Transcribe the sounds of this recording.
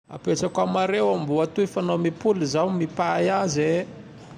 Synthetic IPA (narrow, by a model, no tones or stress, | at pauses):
a̰peʈ͡ʂakamaɾewambuat̪uifanomipulizawmipajaze